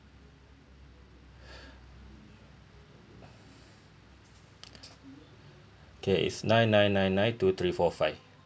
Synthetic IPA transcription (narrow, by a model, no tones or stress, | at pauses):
d̪ʰɛʔḭsnãjnːãjnːãjnːãjntut̪ʰɹiːfɔfaɪf